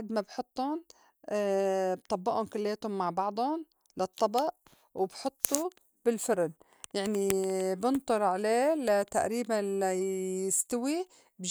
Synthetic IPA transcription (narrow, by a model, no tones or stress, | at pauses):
ad̪mabħʊt̪ˤːʊn | b̚t̪ˤɑbːɑʔʊnkʊlːeːt̪ʊmːaʕbɑʕd̪ˤʊn | lɑt̪ˤːɑbɑʔ | wbħʊt̪ˤːu | b̥ɪlfʊɾn | jaʕnibɪnt̪ˤʊɾˤʕaleːlat̪aʔɾiːbanlajɪst̪awi | b